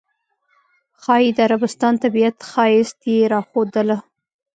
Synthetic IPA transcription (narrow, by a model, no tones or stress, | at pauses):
xɑjid̪əaɾabɪst̪ɑnt̪abijat̪xɑjɪst̪jeɾɑxod̪əla